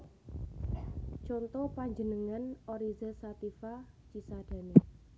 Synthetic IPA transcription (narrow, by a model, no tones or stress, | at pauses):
t͡ʃɔnt̪ɔpaɲd͡ʒənəŋanoɾizasat̪ifa | t͡ʃisad̥ä̤ne